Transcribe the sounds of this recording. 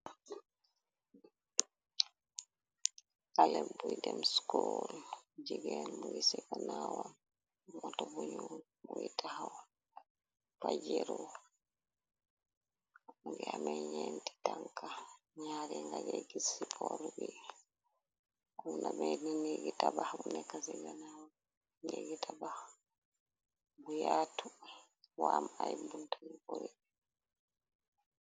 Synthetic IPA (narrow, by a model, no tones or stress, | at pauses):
kalɛmbujdɛmskuld͡ʒiɡɛlmuɡisɛkanawan | mɔtabuɲun | muitahawa | pad͡ʒɛɾɔ | aɡɛamɛɲenti̥taŋka | ɲaɾɛŋɡaɡɛɡisipʰɔɾɡi | namɛnineɡitabahbunɛkasiɡanaw | neɡitʰabah | bujaːtu | wamajibuntʰanikuɾɛbɛ